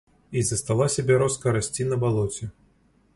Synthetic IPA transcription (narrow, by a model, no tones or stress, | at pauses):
izɐst̪alˠasʲabʲɛɾɔskɐɾasʲt͡sʲinɐbalˠɔt͡sʲɛ